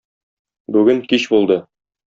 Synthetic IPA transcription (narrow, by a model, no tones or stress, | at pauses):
bʉɡɘŋkiɕbulˠd̪ɤ